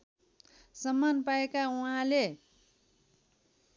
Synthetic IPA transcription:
sʌmːanpaekauɦãle

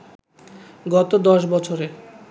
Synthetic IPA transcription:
ɡɔt̪od̪ɔʃbɔt͡ɕʰoɾe

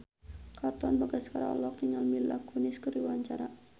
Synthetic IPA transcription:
kat̪ɔnbaɡaskaɾa̰ɔ̰lɔk̚niŋalmila̰kunɪskəɾiwaɲt͡ʃaɾa

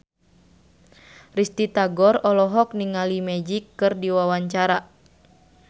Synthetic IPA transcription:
rist̪it̪aɡɔrɔlɔɦɔk̚niŋalimɛd͡ʒikːɨrdiwawaɲt͡ʃaɾa

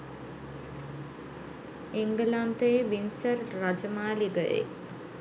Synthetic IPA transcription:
iŋɡəlant̪əjeʋinsərːad͡ʒəmaːliɡəjḛ

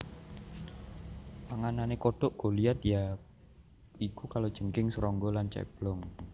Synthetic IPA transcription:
paŋananekoɖ̥ɔʔɡ̥ɔ̤liat̪̚ja | ikukalod̥ʒ̥əŋkɪŋsəɾɔŋɡɔlant͡ʃɛ̰b̥lɔŋ

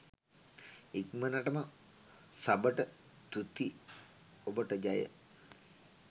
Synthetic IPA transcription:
ikmənaʈəma | sabəʈə | t̪ut̪i | obəʈəd͡ʒajə̰

